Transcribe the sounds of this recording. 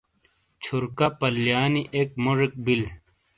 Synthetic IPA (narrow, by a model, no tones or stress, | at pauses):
t͡ɕʰuɾkapɐljaːniʔek̚moʐik̚bil